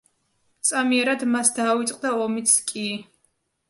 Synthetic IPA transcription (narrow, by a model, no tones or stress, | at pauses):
t̪sʼamiɛɾad̪masd̪aːvit̪sʼqʼd̪aɔmit̪skʼi